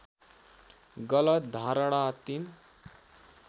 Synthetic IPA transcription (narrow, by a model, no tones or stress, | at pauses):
ɡʌlʌt̪̚d̪ʱãɾəɽat̪in